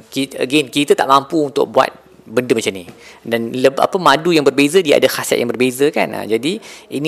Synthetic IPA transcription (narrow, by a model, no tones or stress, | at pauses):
kiə̰ɡenkit̪ət̪aʔmãmpuunt̪ʊ̰k̚bua̰t̪̚ | bəndəmat͡ʃamnĩdanləbʔa̰pəmadujaŋbərbezədiaa̰dahasɛ̰ʔ̚jãŋbərbezəka̰na̰d͡ʒadiini